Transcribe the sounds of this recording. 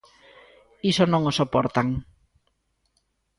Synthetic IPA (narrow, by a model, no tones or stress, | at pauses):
isonõŋosopoɾt̪aŋ